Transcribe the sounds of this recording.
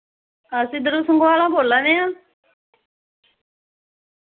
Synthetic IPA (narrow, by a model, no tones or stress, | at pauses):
asid̪əɾusəŋɡʋaːlãːboːlːaneã